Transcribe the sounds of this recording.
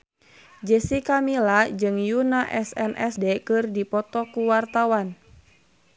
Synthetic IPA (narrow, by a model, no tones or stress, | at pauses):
d͡ʒəsikamilad͡ʒɨŋjunaʔɛsɛnʔɛ̰sdɛkɨrdipɔt̪ɔkuwart̪awan